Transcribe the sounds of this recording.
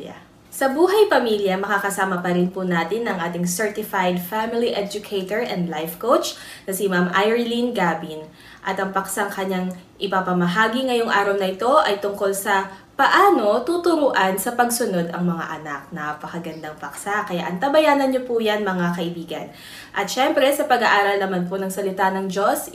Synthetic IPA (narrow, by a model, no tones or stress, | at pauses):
sɐbuːɦɐjpɐmiljɐmɐkakɐsaːmɐpɐɾɪnpʊnaːt̪ɪnɐŋʔaːt̪ɪŋsɛɹt̪ɪfajd̪famɪliʔɛd͡ʒʊkʰejt̪oɹʔɛnd̪lajfkowt͡ʃnɐsɪmamʔajɹlinɡaːbin | ʔɐt̪ɐŋpɐksaŋkɐɲaŋʔɪpɐpɐmɐɦaːɡiŋɐjoŋʔaːɾɐwnɐʔɪt̪o̞ʔɐjt̪ʊŋko̞lsɐpɐʔaːno̞t̪ut̪ʊɾuʔɐnsɐpɐɡsʊno̞d̪ɐŋmɐŋa̰ʔɐnak̚nɐpɐkɐɡɐnd̪aŋpɐksakɐja̰ʔɐŋt̪abɐjaːnɐnɲopujanmɐŋakɐʔɪbiːɡɐ̰n | ʔɐt̪̚ʃɛmpɾɛsɐpɐɡɐʔaːɾɐlnɐmanp̬onɐŋsɐlɪt̪anɐŋd͡ʒo̞s